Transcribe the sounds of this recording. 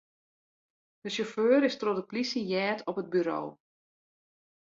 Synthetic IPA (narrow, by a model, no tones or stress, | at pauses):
dəsoføːɾɪstrɔtəplisəjɛːtʰɔpɦəd̚byɾo̰ː